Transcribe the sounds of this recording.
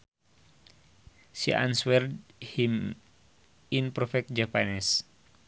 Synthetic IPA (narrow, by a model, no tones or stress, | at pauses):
siʔa̰nswɛrdhim | inpɾɔfɛk̚d͡ʒapanɛs